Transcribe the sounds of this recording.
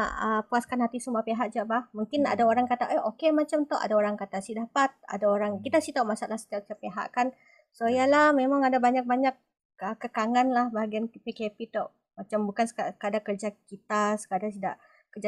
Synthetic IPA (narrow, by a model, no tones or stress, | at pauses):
a̰ʔəpuaskanhat̪isumapeɦaʔ̚d͡ʒaʔbahmuŋkɪna̰daoɾaŋkat̪aʔeʔokemat͡ʃamt̪ɔʔa̰daoɾaŋkat̪asidapat̪̚a̰daoɾaŋkit̪asit̪ɔʔmasaʔlahsə̥t̪iaʔt͡ʃapeɦa̰ʔkan | soijalahmemaŋadabaɲak̚baɲak̚ | əkəkaŋanlahbaɦaɡianpekepit̪ɔʔ | mat͡ʃambukansakadakərd͡ʒakit̪asə̥kadasidaʔ | kəd͡ʒa